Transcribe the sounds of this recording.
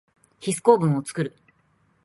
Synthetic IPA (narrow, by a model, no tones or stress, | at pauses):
çisɨ̥ko̞ːbɯ̟̃ɰ̃o̞t͡sɨ̥kɯ̟ɾɯ̟